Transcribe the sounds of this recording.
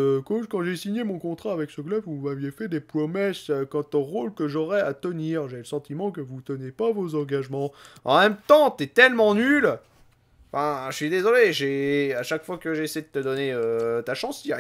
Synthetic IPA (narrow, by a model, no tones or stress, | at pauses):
koʃkɑ̃ʒesiɲemɔ̃kɔ̃t̪χaːvɛksəklœbvumavjefɛd̪epχɔmɛsøkɑ̃t̪ɔ̃ʁolkəʒɔʁɛat̪əniːʁʒeləsɑ̃t̪imɑ̃kəvut̪ənepavozɑ̃ɡaʒmɑ̃ɑ̃mɛ̃mt̪ɑ̃t̪yɛt̪ɛlmɑ̃nyl | fɛ̃ʃsɥid̪ezɔleʒeaʃakfwakəʒeeseed̪ət̪əd̪ɔneøt̪aʃɑ̃s